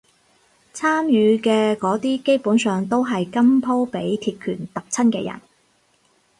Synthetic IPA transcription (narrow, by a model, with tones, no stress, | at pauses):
t͡sʰaː˥mjyː˨˧kɛː˧kɔː˨˥t̪iː˥ke˥jpuː˨˥nsœː˨˧ŋt̪o˥wɦɐ˨jkɐ˥mpʰo˥wpe˨˥jt̪ʰiː˧t̚kʰyː˨˩nt̪ɐ˨k̚t͡sʰɐ˥nkɛ̰ː˧jɐ̰˨˩n